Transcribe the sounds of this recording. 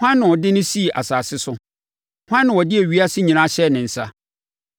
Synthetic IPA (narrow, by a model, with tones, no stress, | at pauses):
hã˦nːɪ̃˨wɔ˨dɪ˦nʊ̃˦si˦˨ʔa̰˨saː˨sɪ˦sʊ˦˨ | hã˦nːɪ̃˨wɔ˨dɪ˦e˨ɥi˦a˦sɪ˦ɲĩ˨nã˦ɕɛ˦˨nɪ̃˨n̩˨sa˦